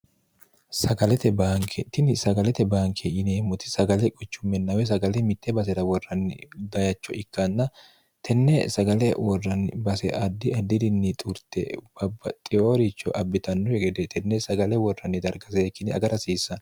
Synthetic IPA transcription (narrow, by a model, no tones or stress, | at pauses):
sɐɡɐlɛt̪ɛbaːŋkʰɛt̪ɪnɪsɐɡɐlɛt̪ɛbaːŋkʰɛɪneːmːɔt̪ɪ̥sɐɡɐlɛkʼɔt͡ʃːʊmːɛnːɐwɛs̬ɐɡɐlɛmɪt̪ːɛbɐs̬ɛɾɐwɔrːɐnːɪ̰d̪ɐjɐt͡ʃːɔʔɪkːɐnːɐ | t̪ʰɛnːɛsɐɡɐlɛwɔrːɐnːɪ̰bɐsɛ̰ʔɐd̪ːɪɐd̪ːɪd̪ɪnːɪt̪ʼʊɾt̪ɛ̰bɐbːɐt̪ʼɪjoːɾɪt͡ʃːɔʔɐbːɪt̪ɐnːɔɛɡɛd̪ɛt̪ʰɛnːɛsɐɡɐlɛwɔrːɐnːɪd̪ɐɾɡɐseːkːɪnɪɐ̰ɡɐɾɐsiːsːɐn